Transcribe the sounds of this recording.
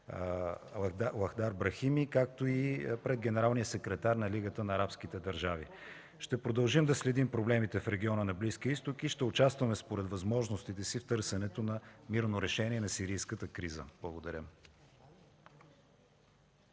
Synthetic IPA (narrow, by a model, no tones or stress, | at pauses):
lˠɐxd̪aɾbɾɐximikak̚t̪oipɾɛd̪̚ɡʲɛnɛɾalˠnijəsɛkɾɛt̪aɾnɐliɡət̪ənɐːɾapsk̟it̪ɛd̪ɐɾʒavḭ | ʃt̪ɛpɾod̪ɐlˠʒimd̪ɐslɛd̪impɾoblɛmit̪ɛfɾɛɡ̟ʲiɔnənɐblisk̟iəist̪okiʃt̪ɛʊt͡ʃast̪vɐmɛspoɾɛt̪vɐzmɔʒnost̪it̪ɛsift̪ɤɾsɛnɛt̪onɐmiɾnoɾɛʃɛniɛnɐsiɾijskət̪əkɾizə̰b̥lˠɐɡod̪ɐɾʲə